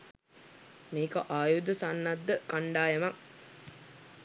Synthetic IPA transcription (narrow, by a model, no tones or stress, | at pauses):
meːkəʔaːjud̪əsanːad̪ːəkaɳɖaːjemak